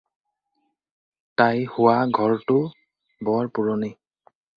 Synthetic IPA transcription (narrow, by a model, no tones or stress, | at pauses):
tajhʊwaɡʱɔɹtʊ | bɔɹpʊɹɔni